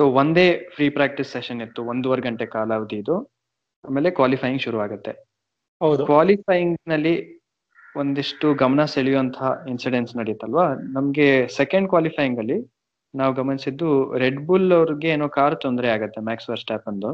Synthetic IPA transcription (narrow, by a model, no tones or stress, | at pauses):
soːʋond̪e̞ːpʰɾiːpɾaːk̚ʈisːeʃɐnet̪ːuond̪uʋɐɾɡɐɳʈekaːlɐaʋud̪iːd̪u | aːmeːlekʋaːlipʰɐjiŋɡʃuɾuʋaːɡut̪ːe | ɦɐwd̪ukʋaːlipɐjiŋɡnɐlːi | ond̪iʂʈuɡɐmɐnɐseɭijuɐnt̪ʰɐinsiɖensnɐɽijut̪ːɐlʋaːnɐmɐɡe̞sekɐɳɖkʋaːlipʰɐjiŋɡɐlːi | naːʋuɡɐmɐnisid̪ːuɾeɖbulɐʋɾiɡe̞ːnoːkaːɾt̪ond̪ɾeaːɡut̪ːe̞maːksʋɐɾsʈaːpɐnd̪u